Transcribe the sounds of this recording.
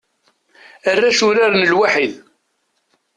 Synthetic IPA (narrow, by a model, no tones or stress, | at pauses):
ərːæʃʊɾaɾnəlwaħið